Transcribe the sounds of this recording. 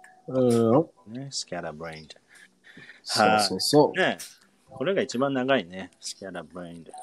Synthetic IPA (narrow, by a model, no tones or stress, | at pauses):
ɯ̃ | nesɨ̥kʲaɾabɾẽj̃nd̪ | haosone | kʰo̞ɾe̞ɡait͡ɕibãnːaɡainesɨ̥kʲaɾabɾẽj̃nd̪